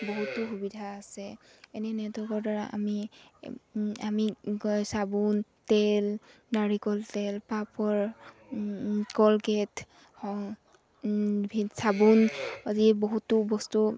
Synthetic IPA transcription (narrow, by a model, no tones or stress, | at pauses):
boɦutːʊxubidʱaːsɛ | ɛnɛnɛtɔkɔɹdaɹaʔa̰mi | amisabuntɛl | daɹikɔltɛlpapɔɹ | kɔlkɛtʰ | hɔ | bʱisabunaziboɦutːʊbɔstu